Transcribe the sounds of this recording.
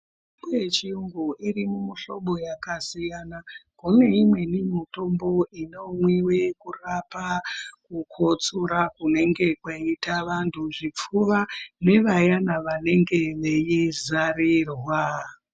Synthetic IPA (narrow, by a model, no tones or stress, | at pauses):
bet͡ʃiuŋɡuʔirimumuɬo̞̰ɓo̞jakasijanakune̞imwe̞nimito̞mbo̞ino̞mwiwe̞kurapakukʰo̞t͡suɾakune̞ŋɡe̞kwaitaʋantʰuʐip͡fuʋane̞ʋajanaʋane̞ŋɡe̞ʋe̞jizarirwa